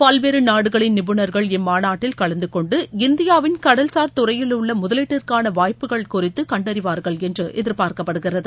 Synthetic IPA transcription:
pɐlʋeːɾɯnaːɽɯɣɐɭɪnnɪbɯnɐɾɣɐɭɪnmaːnaːʈːɪlkɐɭɐnd̪ɯkɔɳɖɯɪnd̪ɪjaːʋɪnkɐɽɐlsaːɾt̪ʊrɐjɪlʊɭːɐmʊðɐlɪʈːɪrkaːnɐʋaːjpɯɣɐɭkʊrɪt̪ːɯkɐɳɖɐɾɪʋaːɾɣɐɭɛndrɯʔɛðɪɾpaːɾkɐpːɐɽɯɣɪrɐðɯ

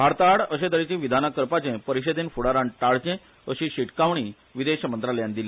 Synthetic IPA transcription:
bʱaɾt̪aɽəɕẽd̪əɾit͡ɕĩːʋid̪ʱanakəɾpat͡ɕẽpəɾiɕed̪enfuɽaɾãɳʈaɭt͡ɕẽ | əɕĩɕiʈkaʋɳ̃iː | ʋid̪eɕəmənt̪ɾaljãnd̪ilẽ

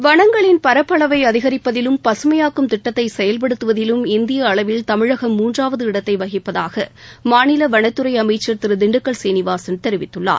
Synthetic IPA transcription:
ʋɐɳɐŋɡɐɭɪnpɐɾɐpːɐɭɐʋɐɪɐðɪɣɐɾɪpːɐðɪlɯmpɐsɯmɐjaːkːɯmt̪ɪʈːɐt̪ːɐɪsɛjɐlpɐɽɯt̪ːɯʋɐðɪlɯmɪnd̪ɪjɐːɭɐʋɪlt̪ɐmɪɻɐɣɐmːuːndraːʋɐðɯɪɽɐt̪ːɐɪʋɐɣɪpːɐðaːɣɐmaːnɪlɐʋɐɳɐt̪ːɯɾɐɪɐmɐɪt͡ʃːɐɾt̪ɪɾɯd̪ɪɳɖɯkːɐɭsɛjnɪʋaːsɐnt̪ɛɾɪʋɪt̪ːɯɭːa̰ːɾ

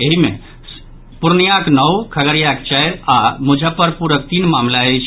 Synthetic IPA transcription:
eɦime | puɾnjaknəwkʰəɡəɾjakt͡ʃɛjɾamud͡ʒʱəpəɾpuɾək̚t̪inmamlaejt͡ʃʰ

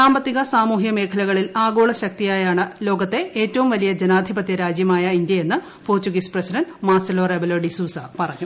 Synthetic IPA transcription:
saːmbɐt̪ːiɣɐsaːmuːɦjɐme̞ːkʰɐlɐɣɐɭilaːɡo̞ːɭɐɕɐk̚t̪ijaːjaːɳɨlo̞ːɡɐt̪ːe̞eːtːɐʋumʋɐlijɐd͡ʑenaːd̪ʱibɐt̪jɐɾaːd͡ʑjɐmaːjɐind̪jɐe̞nːɨ | poːrtuɣisprɐsidɐnmaːsɐloːrebɐloːɖisuːsɐpɐrɐɲːu

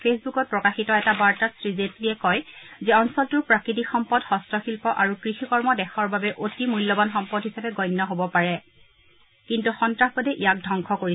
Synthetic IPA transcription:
pʰesbukɔt̚pɹɔkaxitɔɛtabaɹtasɹizetɹiɛkɔjzɛɔnsɔltuɹpɹakɹit̬ikxɔmpɔdxɔstɹɔxilpɔʔaɹukɹixikɔɹmɔdɛxɔɹbabɛʔotimujlːɔbanxɔmpɔdɦisapɛɡɔjnːɔɦobɔpaɹɛ | kintuxɔntɹaxbɔdɛʔijak̚dʱɔŋkʰɔkoi

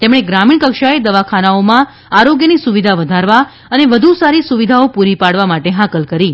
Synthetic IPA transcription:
t̪emɽ̃eɡɾamiɳkəkʃaed̪əʋakʰanaomã | aɾoɡjənisuʋid̪ʱaʋəd̪ʱaɾʋa | əneʋəd̪ʱusaɾisuʋid̪ʱaopuɾipaɽʋamaʈeɦãkəlkəɾi

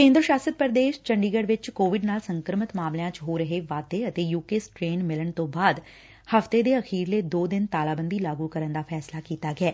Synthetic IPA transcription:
kẽːnd̪ɾəʃaːsət̪̚pəɾd̪eːʃt͡ʃəɳɖiːɡəɖʋɪt͡ʃkoːʋɪɖnaːlsəŋkəɾmət̪maːmljãːt͡ʃɦoːɾəɦeːʋaːd̪eːət̪eːjuːkeːsʈɾeːnmɪləɳt̪õːbaːd̪ | həft̪eːd̪eːəxʰiːɾleːd̪oːd̪ɪnt̪aːlaːbənd̪iːlaːɡuːkəɾənd̪aːpʰɛːslaːkiːt̪aːɡɪɛː

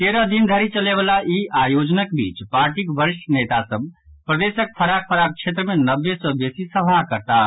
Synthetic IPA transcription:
t̪eɾəd̪ind̪ʱəɾit͡ʃəlebəlaʔiajod͡ʒnəkbit͡ʃpaɾʈikbəɾiʃʈʰənet̪asəb | pɾəd̪esək̚pʰəɾak̚pʰəɾak̚t͡ʃʰet̪ɾəmenəbːesə̃besisəbʱaɦkəɾt̪a

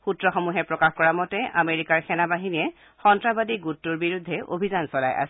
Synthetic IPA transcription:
xutɹɔxomuɦɛpɹɔkaxkɔɹamɔtɛʔameɹikaɹxʰɛnabaɦiniɛ | xɔntɹabadiɡutːuɹbiɹudʱːɛʔo̰bʱizansɔla̰jʔa̰s

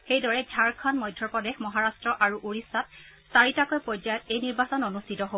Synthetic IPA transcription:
xejdɔɹɛɡʱaɹkʰɔnmɔjdʱːɔpɔdexmɔɦaɹastɹɔʔaɹuʔuɹisatsaɹitakɔjpɔzajɔtejniɹbasɔnonustʰitɔɦo

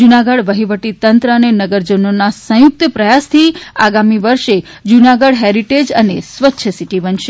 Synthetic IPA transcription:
d͡ʒunaɡəɽʋəɦiʋəʈit̪ənt̪ɾəənenəɡəɾd͡ʒənonasə̃juk̚t̪əpɾəjast̪ʰia̰ɡamiʋəɾʃe | d͡ʒunaɡəɽɦeɾiʈed͡ʒənesʋətːʃʰəsiʈibənʃe

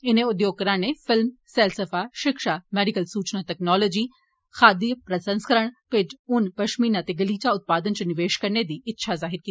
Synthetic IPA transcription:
ɪnẽʊd̪joːɡ̚kəɾãːnefʰɪlmsɛːlsəfaːʃɪkʃaːmɛːɖɪkəlsuːt͡ʃnãːtɛːknɔːloːd͡ʒiː | xʰaːd̪ijəpɾəsə̃nskəɾəɽ̃pɪd͡ʒʊnpɐʃmiːnãːt̪eɡəliːt͡ʃaʊt̪̚paːd̪ənt͡ʃənɪʋeːʃkəɾned̪iːɪtːʃʰazaːɦɪɾkiːi

